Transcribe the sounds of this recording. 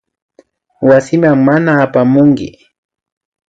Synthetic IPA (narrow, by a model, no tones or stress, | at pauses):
wasɪmaŋmanaːpamʊŋkɪ̰